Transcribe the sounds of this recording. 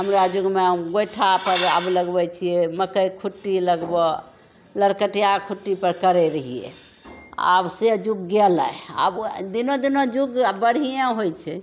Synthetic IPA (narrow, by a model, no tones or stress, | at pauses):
ɦəmɾad͡ʒuɡmeɡojʈʰapəɾəbləɡbɛt͡ʃʰijɛməkəjkʰuʈːiləɡbɔ | ləɾkəʈijakʰuʈːipəɾkəɾɛɾəɦijɛ̰ | a̰bsed͡ʒuɡːela̰eə̰bd̪inod̪inod͡ʒuɡbəɽ̤ijãɦojt͡ʃʰɛ